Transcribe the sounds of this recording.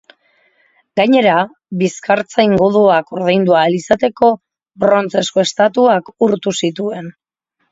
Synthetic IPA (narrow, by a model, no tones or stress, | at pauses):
ɡaɲe̞ɾa | βiskaɾt͡sajŋɡuðuakoɾðe̞jnd̪ualisat̪e̞ko̞ | bɾo̞nt͡se̞sko̞e̞st̪at̪uakuɾt̪usit̪ue̞n